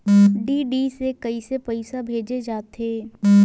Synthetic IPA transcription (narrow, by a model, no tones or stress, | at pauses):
ɖiːɖisekɐisepəɪsabʱeːd͡ʒed͡ʒaːt̪eː